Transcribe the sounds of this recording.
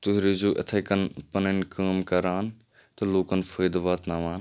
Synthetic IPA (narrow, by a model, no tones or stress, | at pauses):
t̪ʊɦɾizoːʔɐ̰t̪ʰɐjkɐnpɐnɐnkəːmkɐɾaːn | t̪ɐloːkɐnfʰɐːjd̪ʋaːt̪nɐʋaːn